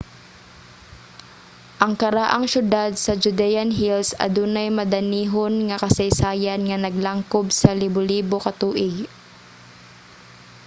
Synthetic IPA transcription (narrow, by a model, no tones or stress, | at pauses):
ʔɐŋkɐɾaʔaŋʃʊd̪ad̪̚sɐd͡ʒʊd̪ɛjanɦilsɐ̰d̪uːnɐjmɐd̪ɐniːɦonŋɐkɐsɐjsaːjanŋɐnɐɡlaŋkobsɐlɪbʊliːbokɐt̪uːʔɪɡ